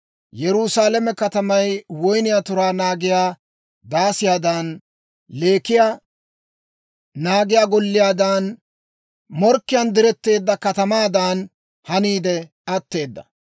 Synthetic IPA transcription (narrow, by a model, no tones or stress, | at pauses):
jɛɾʊsaːlɛmɛkɐt̪ɐmɐjwɔjnɪjaːt̪ʊɾaːnaːɡɪjaː | d̪aːsɪjaːd̪aːn | le̞ːkɪja | naːɡɪjaːɡɔlːɪjaːd̪aːn | mɔɾkːɪjɐnd̪ɪɾɛt̪ːe̞ːd̪ːɐkɐt̪ɐmaːd̪aːn | hɐniːd̪ɛ | ɐt̪ːe̞ːd̪ːɐ̰